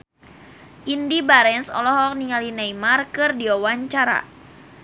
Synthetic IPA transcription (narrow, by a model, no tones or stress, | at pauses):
ʔindibaɾɛnsɔ̰lɔɦɔk̚niŋalinajmarkɨrdiawaɲt͡ʃaɾa̰